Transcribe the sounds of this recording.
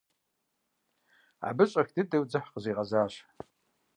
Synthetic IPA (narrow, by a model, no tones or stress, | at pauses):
a̰bɨɕʼɐxdɨdɨwd͡zɨħqəziːʁɐzaːɕ